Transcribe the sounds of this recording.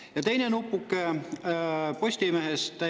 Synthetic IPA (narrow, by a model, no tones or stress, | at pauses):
jɑt̪e̞jnenupːˑukːˑe | po̞sʲt̪ʲimeɦest̪ːæ